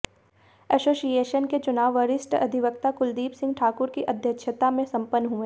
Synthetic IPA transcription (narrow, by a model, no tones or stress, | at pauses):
ɛsoːsijeːʃənket͡ʃʊnaːʋəɾɪsʈɐ̰d̪ʱiʋək̚t̪akʊld̪iːpsɪ̃ŋɡʈʰaːkʊɾkiʔɐd̪ʱjəkʃʰət̪amẽsɐ̃mpənːɦʊ̃e